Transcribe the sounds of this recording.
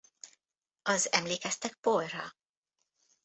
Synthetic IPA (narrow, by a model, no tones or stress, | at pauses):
ɒzɛmleːkɛst̪ɛk̚polrɒ̰